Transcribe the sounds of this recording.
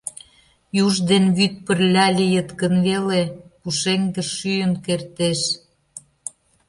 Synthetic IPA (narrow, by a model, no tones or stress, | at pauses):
juʒd̪enβyt̪̚pərlʲɑlʲijət̪kə̆nβelepuʃeŋɡeʃːyjənkert̪eʃ